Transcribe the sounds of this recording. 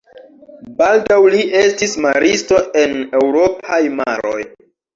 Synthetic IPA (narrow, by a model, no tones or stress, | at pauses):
baldawliʔe̞stismaɾʔisto̞ʔe̞ne̞wɾo̞pʰajma̰ɾo̞̰j